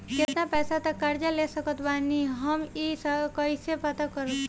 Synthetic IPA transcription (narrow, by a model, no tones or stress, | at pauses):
ket̪napɛːsat̪əkːaɾd͡ʒalesəkət̪baniɦəmisəkəjsepət̪akəɾət̪